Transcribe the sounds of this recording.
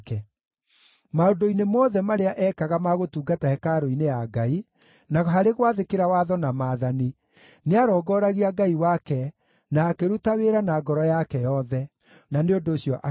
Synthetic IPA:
kɛ | maondoinemɔːðɛmaɾeaʔɛkaɣamaɣotuːɡatahɛkaɾoinejaɡai | naɦaɾeɣwaðekeɾawaðɔnamaðani | neaɾɔːɡɔɾaɣiaɡaiwakɛ | naːkeɾutaweɾanaɡɔɾɔjakɛjɔðɛ | naneondoːɕjɔʔa

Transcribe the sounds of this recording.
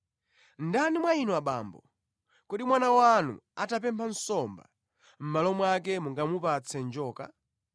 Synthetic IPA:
ndanimwainuaɓa̰ːmbɔ̰ | kɔɗimwanawanṵatap̬ɛmpʰan̩sɔmba̰ | m̩malɔmwak̬ɛmuŋɡamupat͡sʰɛnd͡ʒɔːka̰

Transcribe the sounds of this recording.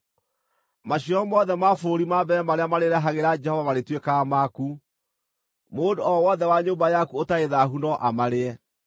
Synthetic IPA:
maɕiɔmɔðɛmafoɾimabɛɾɛmaɾeamaɾeɾɛɦaɣeɾad͡ʒɛhɔvamaɾetwekamaku | moːndoɔwɔðɛwaɲoːmbajakuotaeðaɦunɔʔamaɾeɛ

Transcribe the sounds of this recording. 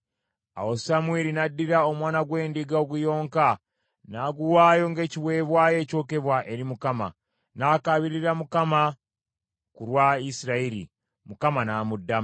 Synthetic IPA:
a̰wosamweːɾinadːiɾao̞mwaːnaɡwe̞ːndiɡaoɡujo̞ːŋka | naːɡuwaːjo̞ŋɡe̞ːciwe̞βwaːje̞ːco̞ːke̞βwaʔe̞ɾimukama̰ | naːkaβiɾiɾamukama | kuɾwaisiɾaiɾḭ | mukamanaːmudːa

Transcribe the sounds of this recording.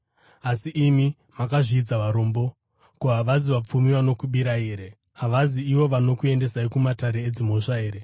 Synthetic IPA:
asiʔimi | makaʐiːd͡zaʋaɾo̞mbo̞ | koɦaʋaziʋap͡fumiʋano̞kuɓiɾaeːɾe̞ | ɦaʋaziːʋo̞ʋano̞kue̞nde̞saikumataɾe̞ːd͡zimo̞ʂaeːɾe̞

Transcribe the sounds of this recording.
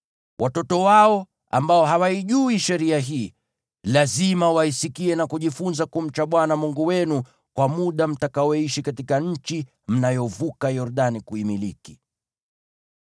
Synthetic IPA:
wʔatɔtɔwaɔ | a̰mbaɔɦawaiʄuiʃɛɾiaɦiː | lazimawaisikiɛnakuʄifunzakum̩t͡ʃaɓwanamuŋɡuwɛnu | kwamuɗam̩takawɔiʃikatikaɲ̩t͡ʃi | m̩najɔvukajɔɾɗanikuimiliki

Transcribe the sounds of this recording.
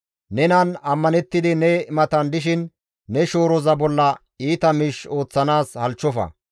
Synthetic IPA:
nɛnɐnɐmːɐnɛt̪ːɪd̪ɪnɛɪmɐt̪ɐnd̪ɪʃ̬ɪnː | ɛʃo̞ːɾɔzɐbɔlːɐ | iːt̪ɐmiʃo̞ːt͡sːɐnaːshɐlt͡ʃːɔfɐ̰

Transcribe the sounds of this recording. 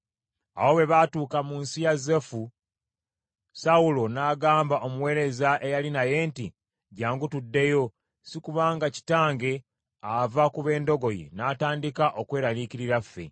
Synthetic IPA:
a̰wo̞βe̞βaːtuːkamunsijazefu | saulo̞naːɡaːmbaʔo̞muwe̞ːɾe̞zaʔe̞jalinaje̞ːnti | ɟaːŋɡutudːe̞jo̞ | sikuβaːŋɡaci̥taːŋɡe̞ | avakuβe̞ːndo̞ɡo̞jḛnaːtaːndikaʔo̞kwe̞ːɾaliciɾiɾafːe̞̰

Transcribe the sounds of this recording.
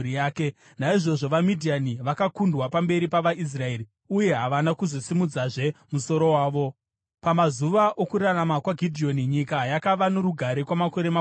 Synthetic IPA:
aːke | naiʐo̞ʐo̞ʋamidʱianiʋakakundwapambe̞ɾipaʋais̬rae̞ɾi | uje̞ɦaʋanakuzosimud͡zaʐe̞muso̞ɾo̞waːʋo̞ | pamazuʋaʔo̞kuraramakwaɡʱidʱio̞niɲikajakaʋanoɾuɡʱaɾekwamako̞ɾe̞ma

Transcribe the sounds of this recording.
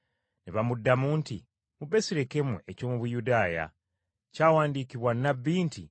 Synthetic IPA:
neβamudːamuːntḭ | mube̞siɾekemwḛʔeco̞ːmuβujudaːja̰ | caːwaːndiːkiβwanːaβːiːntḭ

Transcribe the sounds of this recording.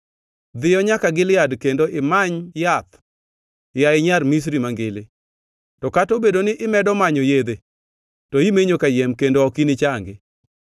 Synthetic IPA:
d̪ɪjɔɲakaɡɪlɪjadkendoʔɪmaɲjat̪ | jaɪɲarmis̬ɾimaŋɡɪlɪ | tɔkatobedonɪʔɪmɛdɔmaɲojed̪e | tɔimeɲokajɛmkendoɔkinɪt͡ʃaŋɡɪ

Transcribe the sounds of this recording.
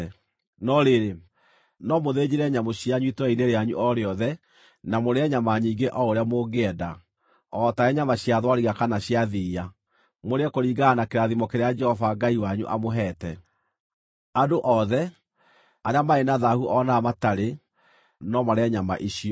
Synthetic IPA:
nɔɾeɾe | nɔmoðed͡ʑeɾɛɲamoɕiaɲuitwaineɾeaɲuʔɔɾeɔðɛ | namoɾeɛɲamaɲiːŋɡeʔɔoɾeamoɡeɛda | ɔtaɛɲamaɕiaðwaɾiɣakanaɕjaðiːa | moɾeɛkoɾiːɡanakeɾaðimɔkeɾead͡ʒɛhɔvaɡaiwaɲṵʔa̰moɦɛtɛ | adoʔɔðɛ | aɾeamaenaðahuɔnamataɾe | nɔmaɾeɛɲama̰ʔiɕi

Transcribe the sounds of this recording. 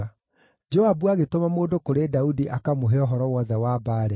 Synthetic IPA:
d͡ʒoabuaɣetomamoːdokoɾedaudiʔakamoɦeɔɦɔɾɔwɔðɛwaːbaːɾɛ

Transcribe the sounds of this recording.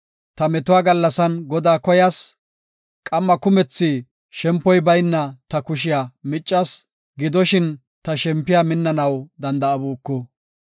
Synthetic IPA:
t̪ɐmɛt̪ʊwaːɡɐlːɐsɐnɡɔd̪aːkɔjɐs | kʼɐmːɐkʊmɛt͡sːi | ʃɛmpːɔjbɐjnːɐt̪ɐkʊʃ̬ɪjaːmɪt͡ʃʼːɐs | ɡɪd̪ɔʃɪn | t̪ɐʃɛmpːɪjaːmɪnːɐnɐwd̪ɐnd̪ɐɐbuːkːɔ

